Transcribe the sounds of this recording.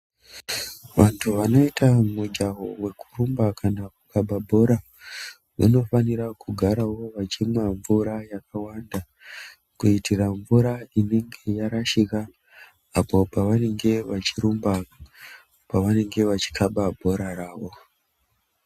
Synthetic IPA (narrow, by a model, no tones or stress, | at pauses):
ʋantʰuʋano̞itʰamud͡ʒaɦowe̞ku̥rumbakʰanakukaɓabʱo̞ɾa | ʋa̰no̞fanirakʰuɡʱaɾawo̞ʋat͡ʃimwaɱvuɾajakʰawanda | kuitiraɱvuɾaine̞ŋɡe̞jaɾaʃika | apo̞paʋane̞ŋɡe̞ʋat͡ʃiɾumba | paʋane̞ŋɡe̞ʋat͡ʃi̥kʰaɓabʱo̞ɾaɾaːwo̞